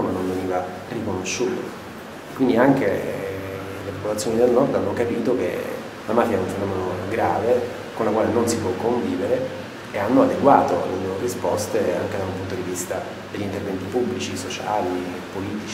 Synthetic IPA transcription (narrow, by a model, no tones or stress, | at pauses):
menoɱveniːva | rikonoʃːuːt̪o | ekːwind̪iaŋk̟e | lepopolat̪sjonid̪elnɔrd̪anːokapiːt̪ok̟ḛ | lamaːfiaɛuɱfenɔːmenoɡɾaːve | konlakwaːlenonsipwɔkːoɱviːveɾeː | anːoad̪eɡwa̰ːt̪oa̰lːḛloɾorispɔst̪ea̰ŋk̟ed̪aumpunt̪od̪ivist̪a | d̪eʎːint̪ervɛnt̪ipubːlit͡ʃisot͡ʃa̰ːliepːoliːt̪it͡ʃ